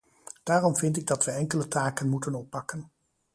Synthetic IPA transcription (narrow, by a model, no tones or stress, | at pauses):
d̥aːrɔmvɪntɪɡ̚dɑtʋəɛŋkələtaːkənmutənɔpːɑkən